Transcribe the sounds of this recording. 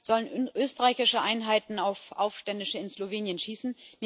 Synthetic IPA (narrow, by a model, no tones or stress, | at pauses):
z̥ɔlənʔøːstəʁaɪçɪʃəʔaɪnɦaɪtn̩aʊfʔa̰ʊfʃtɛndɪʃəɪnsloveːnjənʃiːsn̩n